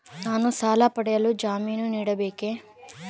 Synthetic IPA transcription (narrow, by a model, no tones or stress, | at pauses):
naːnusaːlɐpɐɽɛjɐlud͡ʒaːmiːnuniːɽɐbeːke